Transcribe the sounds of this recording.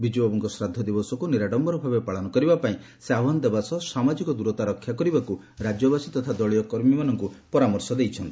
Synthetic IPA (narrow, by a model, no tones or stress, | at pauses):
bid͡ʒbɔbɔŋkɔsɾad̪ʱːɔd̪ibɔsɔkuniɾaɖɔmbɔɾɔbʱabepaɭɔnɔkɔɾibapaĩ | seabɦɔnd̪ebasɔsamad͡ʒikɔd̪uɾɔt̪aɾɔkʰːjakɔɾibaku | ɾad͡ʒɔbasit̪ɔt̪ʰad̪ɔɭijɔkɔɾmimanɔŋkupɔɾamɔɾsɔd̪ejt͡ʃʰɔnt̪i̥